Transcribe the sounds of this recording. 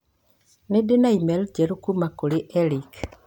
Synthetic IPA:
nedenaimɛld͡ʒɛɾukumakoɾeʔɛɾik

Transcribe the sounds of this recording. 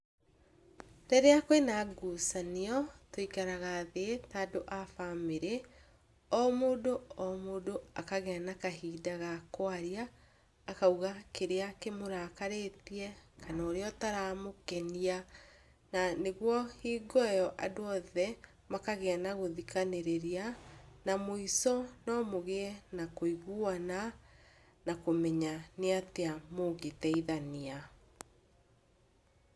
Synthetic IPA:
dɛɾeakwenaɡusaneɔtoikaɾaɣaːðetadoʔafameɾe | ɔmoːdoɔmoːdoakaɣeanakaɦiːdaɣakwaɾiaː | kauɣakeɾeakemoɾaːkaɾetiɛkʰanoːɾeɔtaɾamokɛnia | naneɣwɔhiːɡɔɛjɔʔadoɔðɛ | makaɣeanaɣoðikaneɾeɾianamoisɔnɔmoɣeɛnakoiɣuana | nakomɛɲaneateamoɡetɛiðania

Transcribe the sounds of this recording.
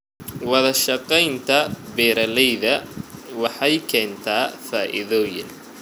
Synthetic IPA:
wɑðɐʃɑqɛjnt̪ʰɐbɛːɾɐlɛjðɐwɑħɑjkʰɛːnt̪ʰaːfaːʔɪ̰ðɔːjɪn

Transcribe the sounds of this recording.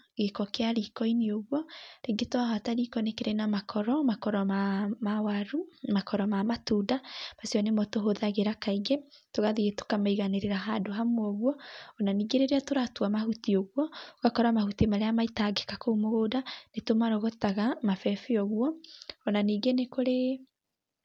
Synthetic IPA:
ɡekɔkeaɾikɔineoɣwɔɾeɡetwaɦataɾikɔnekeɾenamakʰɔɾɔmakɔɾɔmamawaɾumakɔɾɔmamatuːdamasiɔnemɔtoɦoðaɣeɾakaiɡetoɣaðiɣeto̥kamaiɣaneɾeɾaɦadoɦamoɔɣwɔɔnaniːɡeɾeɾeatoɾatwamahutioɣwɔɣakɔɾamahutemaɾeamaitaɡekakoumoɣoːdanetomaɾɔɣɔtaɣamafɛfiɔɣuɔːnaniːɡenekoɾe

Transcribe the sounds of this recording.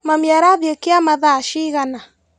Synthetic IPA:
mamjaɾaðjɔkeamaðaʃiɣana

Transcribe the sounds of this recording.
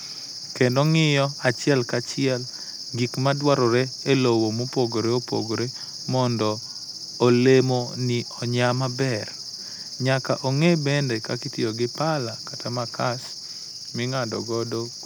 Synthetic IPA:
kendɔŋɪjɔat͡ʃɪɛlkat͡ʃɪɛl | ɡikmadwaɾɔɾeelowomopoɡoɾeopo̰ɡoɾe | mɔndɔː | lemonɪɔɲamabɛr | ɲaka̰ʔoŋebɛndɛkakitioɡɪpalakatamakas | mɪŋadɔ̰ɡɔdo

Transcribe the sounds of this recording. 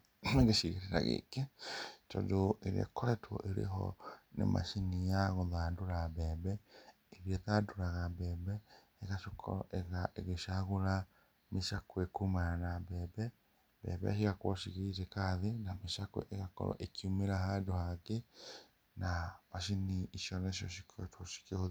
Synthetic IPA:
ɣeʃiɣeɾeɾa̰ɣḛketodoeɾiḛkɔɾɛtwɔ̰ʔeɾḛɦɔ̰nḛmʔa̰ʃinijaɣoðaːndoɾabɛːβɛ | eɾietaːndoɾaɣabɛːbɛː | ɣaʃokʰɔ̰ɾɔ̰ʔeɣaʔeɣeʃaɣoɾa | meʃakwekumaɾanabɛːbɛ | bɛ̰βɛ̰ʃ̬iɣakwɔʃiɣiitekaðenameʃakoʔeɣakɔ̰ɾɔ̰ʔekiumeɾahadohake | namaʃiniiʃjɔneʃjɔʃi̥kʰtwoʃi̥keho

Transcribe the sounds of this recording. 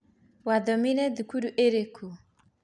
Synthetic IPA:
wad̪ɔminɛd̪ukuduʔeɾekʰu

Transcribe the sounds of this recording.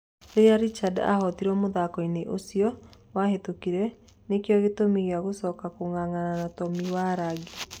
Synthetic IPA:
oeaɾit͡ʃada̰hɔtiɾɔmoðakɔineʔosijɔ | wahetokiɾɛ | nekjɔɣetomiɣeaɣosɔkakoŋaŋananatɔmiwaɾaɡe

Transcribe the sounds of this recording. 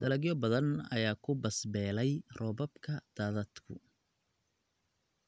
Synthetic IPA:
d̪̥ɐlɐɡjɔbɐðɐnɐ̰jaːkʰʊbɐsbɛːlɛjrɔːbɔbkʰɐd̪̥aːðɐd̪kʰʊ̰

